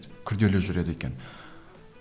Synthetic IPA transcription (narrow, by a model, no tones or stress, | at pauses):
kʲʰʏɾd̪e̞leʒʏɾe̞d̪əe̞kʲe̞̰n